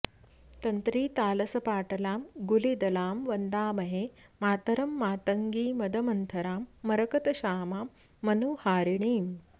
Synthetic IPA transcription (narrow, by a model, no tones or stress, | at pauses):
t̪ɐnt̪ɾiːt̪aːlɐsɐpaːʈɐlaːmɡulid̪ɐlaːmʋɐnd̪aːmɐɦeːmaːt̪ɐɾɐmːaːt̪əŋɡiːmɐd̪ʱɐmɐnt̪ʰɐɾaːmːɐɾɐkɐt̪ɐɕaːmaːmː | ɐnuːhaːɾiɳiːm